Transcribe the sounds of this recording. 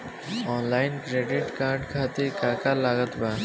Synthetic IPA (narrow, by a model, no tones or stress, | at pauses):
ɔːnlaːɪnkɾeːɖɪʈkaːʈkʰaːt̪ikaːkalaːɡət̪ba